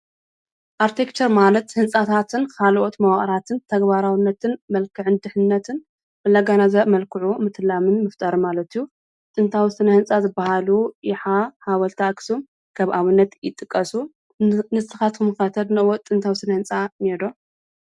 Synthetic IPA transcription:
ʔaɾt̪ʰekt͡ʃʰɐɾmalɐt̪hɨnsʼat̪ʰat̪ʰɨnkʰalʔot̪mɐwaχʼɾat̪ʰɨnt̪ʰɐɡbaɾawɨnːɐt̪ʰɨnmɐlkʰɨʕɨnd̪ɨħɨnːɐt̪ʰɨn | bɨlːaɡanazɐmɐlkʰɨʕumɨt̪ʰɨlamɨnmɨft̪ʼɐɾɨmalɐt̪ijːu | t̪ʼɨnt̪ʰawʊsɨnɐhɨnt͡sʼazɨbahaluʔɪħahawɐlt̪ʰaksom | kʰɐβʔaβɨnːɐt̪jɪt̪ʼːɨkʼːɐsu | nɨt̪ʰːɨxat̪kʰɨmɨxɐt̪ʰɐd̪nɨɨwot̪ʼɨnt̪ʰawɨsɨnɐhɨnt͡sʼanedo

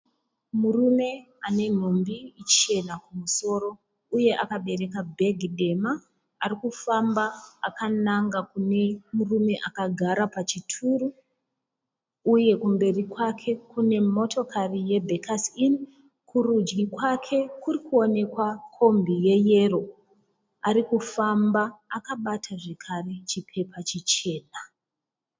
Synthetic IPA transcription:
murume̞ | ane̞n̤ombiːt͡ʃe̞nakumuso̞ːɾo̞ | uje̞ʔakaɓe̞ɾe̞kabʱe̞ɡʱiɗe̞maː | rikufambaːkanaŋɡakune̞murume̞ʔakaɡʱaɾapat͡ʃitʰuru | je̞kumbe̞rikwakʰe̞kune̞mo̞tʰo̞karije̞bʱekasin | kʰurud͡ʒɡikwakʰe̞kurikuo̞ne̞kwakʰo̞mbije̞je̞ro̞ | aɾikufambaːkaɓatʰaʐe̞kʰare̞t͡ʃipʰe̞pat͡ʃit͡ʃe̞ːna

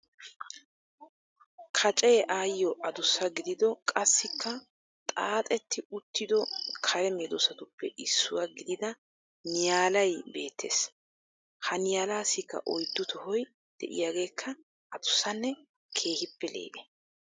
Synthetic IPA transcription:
kʰɐt͡ʃʼeːʔaːjːɔʔɐd̪ʊsːɐɡɪd̪ɪd̪ɔkʼɐsːɪkʰːɐ | t̪ʼaːt̪ʼɛt̪ːɪʊt̪ʰːɪd̪ɔkʰɐɾɛmɛːd̪ɔsɐt̪ʊpːɛʔɪsːʊwaɡɪd̪ɪd̪ɐ | nɪjaːlɐjbe̞ːt̪ʰːḛːs | hɐnɪjaːlaːsɪkːɐ̰ʔɔjd̪ːʊt̪ʊhɔj | d̪̥ɛ̰ʔɪ̰jaːɡe̞ːkʰːɐ | ʔɐd̪ʊsːɐnːɛ | kʰe̞ːhɪpːɛlḛːʔɛ

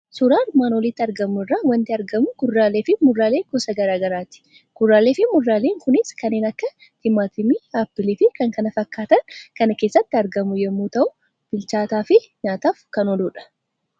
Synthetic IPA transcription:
sʊɾaːɾmaːnɔlɪt̪ːɪɐɾɡɐmʊɪrːaːwɐnt̪ɪɐɾɡɐmʊɡʊrːaːleːfɪmʊrːaːle̞ːkɔsɐɡɐɾaːɡɐɾaːt̪ɪ̥ | ɡ̥ʊrːaːleːfɪmʊrːaːleːŋkʊnɪskɐnːeːnɐkːɐ | t̪ɪmaːt̪ʰɪmiapːɪliːfɪkɐŋkɐnɐfɐkːaːt̪ɐŋkɐnɐke̞ːsːɐt̪ːɪɐɾɡɐmʊjɛmːuːt̪ɐʔʊ | b̥ɪlt͡ʃaːt̪aːfɪ | ɲaːt̪aːfkɐnɔluːᶑɐ̥

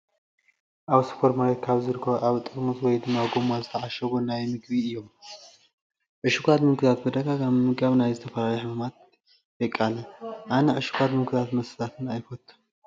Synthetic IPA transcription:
ʔaβspʰoɾmaɾet̪kʰaβzɨɾkʰoʔaβɨt̪ʼɨkʼmɨzwɔjd̪ɨmːaɡo̞mazɨt̪ʰəʕaʃəɡoɨnːajɛmɨɡβiɨjːom | ʔɨʃɨɡʷad̪mɨŋkʰɨzat̪bəd̪əɡaɡammɨɡaβnajzɨt̪ʰəfəlawiħɨmɨmat̪̚ | jɛkʼːaləʔanəʔɨʃɨ̥ɡʷad̪mɨkʰɨzat̪mɐsɨt̪at̪ʰɨnajfʰot̪ʰ

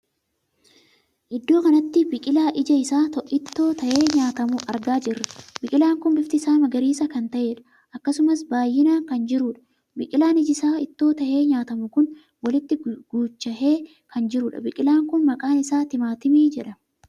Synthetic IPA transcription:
ʔɪd̪ːo̞ːkɐnɐt̪ːɪbɪkʼɪlaːʔɪd͡ʒɐɪsaːt̪ʔɪt̪ːo̞ːt̪ɐʔe̞ːɲaːt̪ɐmʊʔɐɾɡaːd͡ʒɪrːɐbɪkʼɪlaːŋkʊnbɪft̪ɪsaːmɐɡɐɾiːsɐkɐnt̪ɐʔe̞ːᶑɐ̥ | ʔɐkːɐsʊmɐsbaːjːɪnaːŋkɐnd͡ʒɪɾuᶑɐ̥ | bɪkʼɪlaːnɪd͡ʒɪsaːɪt̪ːo̞ːt̪ɐʔe̞ːɲaːt̪ɐmʊkʊn | wɐlɪt̪ːɪɡ̥uːt͡ʃːɐhe̞ː | kʰɐnd͡ʒɪɾʊᶑɐ̰bɪkʼɪlaːŋkʊnmɐkʼaːnɪsaːt̪ɪmaːt̪ɪmiːd͡ʒɛᶑɐ

